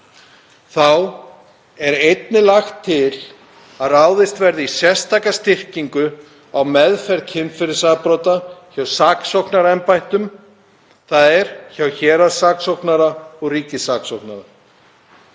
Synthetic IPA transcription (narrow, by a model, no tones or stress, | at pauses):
θaw | ɛɾejt̪nɪlaxt̪ʰːɪl | aðraːwðɪst̪vɛɾðɪisjɛst̪ʰaːkast̪ɪr̥ciŋkʏ | awmɛðfɛɾt̪cʰɪmfɪɾɪsapɾɔːt̪açawsaːksowhknaɾaɛmpajht̪ʏm | θaðɛɾ̥çawçɛːɾasaːksowknaɾaɔɣriːcɪsaːksowhknaɾa